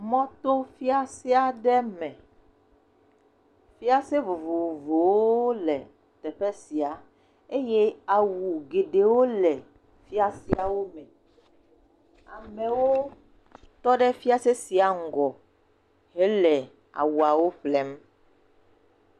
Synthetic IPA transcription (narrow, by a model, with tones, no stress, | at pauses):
mɔ̃˦t̪o˦fi˦a˦si˦a˨ɖɛ˦mɛ̃˨ | fi˦a˦se˦vo˨vo˨vo˨vo˨wo˦lɛ˨ | t̪ɛ˨ɸɛ˦si˨a˨ | e˦je˦a˨wu˨ɡe˨ɖe˨wo˦lɛ˨ | fi˦a˦si˦a˨wo˦mɛ̃˨ | a˨mɛ̃˨wo˦ | t̪ɔ˦ɖɛ˦fi˦a˦se˦si˨a˨ŋ̩˨ɡɔ˨ | ɦe˦lɛ˨ | a̰˨wu˨a˨wo˦ɸlɛ˦m